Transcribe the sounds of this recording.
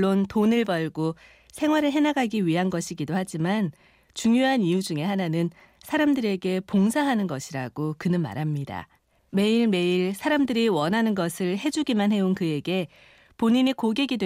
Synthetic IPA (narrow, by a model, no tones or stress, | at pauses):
ontonɯɭbʌɭɡo | sʰe̞ŋwaɾɯɭɦe̞naɡaɡiɥiɦanɡʌɕʰiɡidohad͡ʑiman | t͡ɕuŋjoɦanijud͡ʑuŋe̞hananɯn | sʰaɾamdɯɾe̞ɡe̞poŋsʰaɦanɯnɡʌɕʰiɾaɡokɯnɯnma̰ɾɦamɲida̰ | me̞iɭme̞iɭsʰaɾamdɯɾiwʌnɦanɯnɡʌsʰɯɭhe̞d͡ʑuɡimanɦe̞onkɯe̞ɡe̞ | poɲiɲikoɡeɡidwe